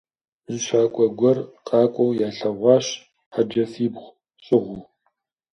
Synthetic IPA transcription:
zɨʃʷaːkʷʼɔɡʷɔrqʼɑːkʷʼɔwjaːɬɐʁʷɑːɕ | ħad͡ʒɐfiːbʁʷ | ɕʼɪʁʷʊ

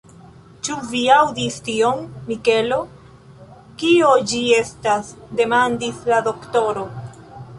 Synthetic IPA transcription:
t͡ʃuviawdistio̞mːike̞lo̞ | kio̞d͡ʒie̞stasde̞mandislado̞kto̞ɾo̞

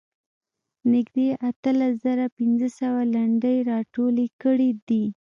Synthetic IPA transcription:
nɪɡd̪eʔat̪əlaszaɾapɪnzəsawalaɳɖəjɾɑʈolekəɽid̪i

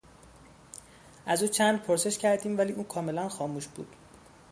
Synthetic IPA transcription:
ʔæzuːt͡ʃʰænd̪̚pʰoɾse̞ʃcʰæɾd̪iːmvæliːʔuːnkʰɒːme̞lænxɒːmuːʃb̥ṵːd̪̥

